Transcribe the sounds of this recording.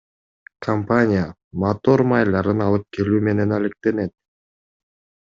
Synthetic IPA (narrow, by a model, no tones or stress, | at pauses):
kʰɐmpanʲɪja | mat̪o̞ɾmajlˠɑɾɯnɑlˠɯp̚ke̞lyːme̞ne̞nalek̚t̪e̞ne̞t̪̚